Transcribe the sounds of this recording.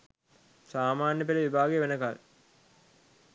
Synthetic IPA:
saːmaːnjəpeleʋibʱaːɡeʋenəkal

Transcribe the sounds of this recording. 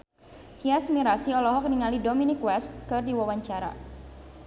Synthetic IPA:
t̪iasmiɾasiɔlɔɦɔk̚niŋalidominikwɛst̪̚kɨrdiwawaɲt͡ʃaɾa̰

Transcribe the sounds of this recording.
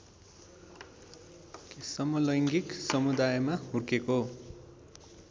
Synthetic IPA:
kisʌmʌlʌjŋɡiksʌmud̪ajmaɦurkeko

